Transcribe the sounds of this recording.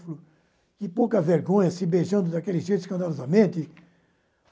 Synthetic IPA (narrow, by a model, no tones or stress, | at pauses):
flʊ | kɪpowkɐveɾɡõɲɐsɪbeʒɐ̃nd̪ʊd̪akelɪzʒejt̪skɐ̃d̪alɔzɐmẽnt̪ɪ